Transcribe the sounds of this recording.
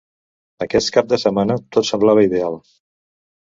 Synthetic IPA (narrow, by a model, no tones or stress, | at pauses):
əkɛst̪̚kap̚d̪əsəmanət̪ot̪səmblaβ̞əiðealˠ